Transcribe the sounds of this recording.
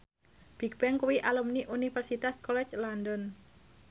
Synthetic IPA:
b̥ik̚b̥ɛŋkuwiʔalumniʔunifɛrsit̪askɔlɛ̥t͡ʃlɔndɔn

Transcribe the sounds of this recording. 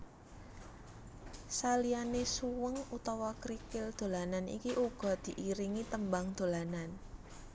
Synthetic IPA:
salianesuwəŋut̪ɔwɔkɾikɪld̪̥o̤lananḭkiʔuɡ̥ɔ̤d̪̥i̤ʔiɾiŋit̪əmbaŋd̪̥o̤lanan

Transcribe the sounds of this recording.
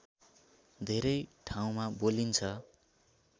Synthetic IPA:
d̪ʱeɾʌjʈʰaw̃mabolint͡sʰʌ

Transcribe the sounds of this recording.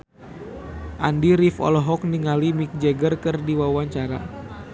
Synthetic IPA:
ʔandiɾifɔ̰lɔɦɔk̚niŋalimik̚d͡ʒɛɡərkɨrdiwawaɲt͡ʃaɾa̰

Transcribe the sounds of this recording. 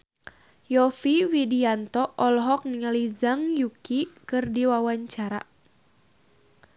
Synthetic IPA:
jɔfiwidiant̪ɔʔɔlɦɔk̚niŋalizaŋjukikɨrdiwawaɲt͡ʃaɾa̰

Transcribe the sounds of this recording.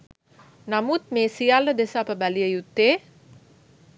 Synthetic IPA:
namut̪̚meːsijalːəd̪esapəbælijəjut̪ːeː

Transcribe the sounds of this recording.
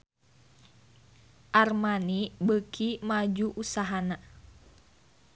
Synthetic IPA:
ʔarmanibəkʰimad͡ʒuʔusaɦana

